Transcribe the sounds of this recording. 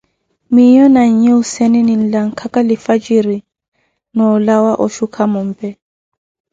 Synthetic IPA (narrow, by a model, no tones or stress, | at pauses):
mijɔnaɲ̩ɲɛusɛninin̩laŋ̩kʰakalifad͡ʒiɾi | nɔlawaʔɔʃukʰamɔm̩pɛ